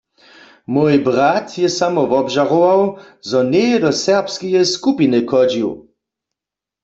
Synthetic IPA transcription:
mojbʁat̪jɛsamɔʋɔbʒaʁoʋaw | zɔnɛjɛdɔsɛʁpskɛjɛskupinɨkɔd͡ʒiw

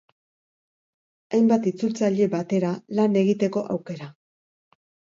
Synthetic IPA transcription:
ajmbat̪it͡sult͡saʎe̞bat̪e̞ɾalane̞ɣ̞it̪e̞ko̞ʔawke̞ɾa

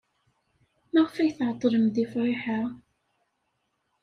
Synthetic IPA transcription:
maʁfæjθʕət̪ˤːɾəmðifɾˤɪħa

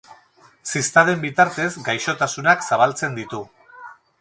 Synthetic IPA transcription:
sist̪aðembit̪aɾt̪e̞zɡajʃo̞t̪asunaksaβ̞alt͡se̞nd̪it̪u

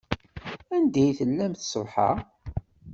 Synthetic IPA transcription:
ænd̪æjθəlːæmθsəvˤħɑ̰

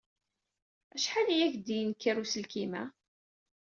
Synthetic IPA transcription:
æʃħalijæçd̪ijnkːiɾusəlkimæ̰

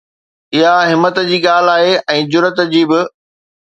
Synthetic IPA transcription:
ɪɦaɦɪmət̪d͡ʑiːɠaːl̤aːɦeʔɛ̃ːd͡ʑʊɾət̪d͡ʑiːbɪ

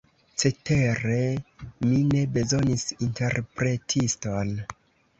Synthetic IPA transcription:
t͡se̞te̞ɾe̞mine̞be̞zo̞nisinte̞ɾpɾe̞tʰiston

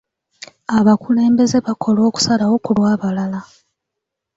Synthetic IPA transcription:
aβakule̞ːmbe̞ze̞βakʰo̞lo̞ːku̥salawo̞kulwaːβalala

